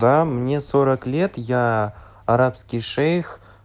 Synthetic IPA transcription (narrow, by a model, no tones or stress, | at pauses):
d̪ɑmɪnʲe̞soɾɑklʲe̞t̪jɑ | aɾɑpskʲijʃejx